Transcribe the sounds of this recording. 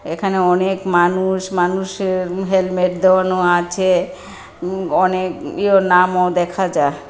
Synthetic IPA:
ekʰaneɔnekmanuʃmanuʃeɦelmeʈ̚d̪ewanoat͡ɕʰe | ɔnekionamod̪ɛkʰad͡ʑae

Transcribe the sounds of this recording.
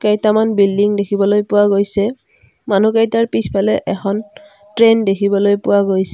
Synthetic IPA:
kejtamanbildiŋdekʰibɔlojpʊwaɡojsɛ | man̤ukajtaɹpispʰalɛʔɛxʰɔn | tɹendekʰibɔlojpʊwaɡojsɛ

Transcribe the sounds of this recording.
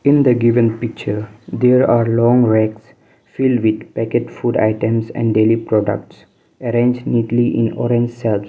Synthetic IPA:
ɪ̃nd̪əɡɪʋə̃npɪk̚t͡ʃəɾd̪eːɾaːɾlɔ̃ːŋɾɛks | fɪlɖʋɪd̪pækeʈfuːɖa̰ɪʈə̃msɛ̰̃ɳɖɖeːlipɾɔːɖə̰k̚ʈs | əɾẽnd͡ʒniːʈliʔɪ̰̃nɔ̰ːɾẽɲd͡ʒsɛls

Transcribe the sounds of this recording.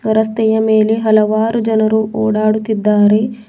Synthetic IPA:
ɐɾɐst̪ɛjɐme̞ːle̞ɦɐlɐʋaːɾud͡ʒɐnɐɾuʔoːɽaːɽut̪ːid̪ːaːɾe̞

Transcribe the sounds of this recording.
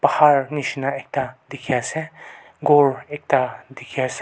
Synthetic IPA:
pɐhaɾnisinaek̚tad̪ikʰijase | ɡoɾek̚tad̪ikʰijase

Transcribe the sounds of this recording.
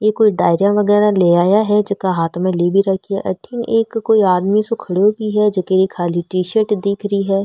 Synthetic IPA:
jeːkːoiɖaːɪɾijãʋɐɡɛːɾaleːaːjaɦɛd͡ʒɪskaɦaːt̪ʰmẽleːbʱiɾɐkʰiɛ̰ʔɐ̰ʈʰɪŋeːkːoːiaːd̪misokʰɐɽobʱiɦɛd͡ʒɐkeikʰaːliʈɾiːʃəʈd̪iːkʰɾəiɦɛː

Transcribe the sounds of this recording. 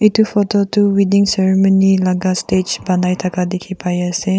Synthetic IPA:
itufɔtɔtuwidĩŋsɛɹimɔnilaɡasted͡ʒbanajt̪ʰakadikʰipajəse

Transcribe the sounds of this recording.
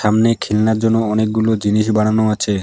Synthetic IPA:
ʃamnekʰilnaɾd͡ʑonːoɔnek̚ɡulod͡ʑiniʃ̬baɽanoat͡ɕʰe

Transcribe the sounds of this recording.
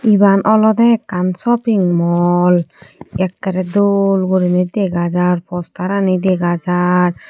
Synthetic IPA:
ibanʔɔlɔd̪ɛkansɔpiŋmɔlɛkːaɾɛd̪olɡoɾinid̪eɡad͡ʒaɾpɔst̪aɾanid̪eɡad͡ʒaɾ

